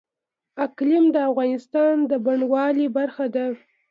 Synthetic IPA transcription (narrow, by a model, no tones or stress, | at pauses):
aklɪmd̪əafɣɑnɪst̪ɑnd̪əbaɳwɑlibaɾxad̪a